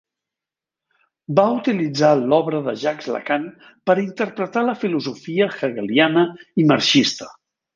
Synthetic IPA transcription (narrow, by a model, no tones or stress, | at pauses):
baut̪ilid͡zalɔβɾəðə̰ʒakzlə̰kan | pəɾint̪əɾpɾət̪aləfiluzufiəxəɣəlianəiməɾʃist̪ə̥